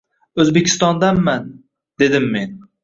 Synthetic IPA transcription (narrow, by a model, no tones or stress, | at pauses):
ɵzbekʲʰɪ̥st̪ɒnd̪anman | d̪e̞d̪ɪmːe̞n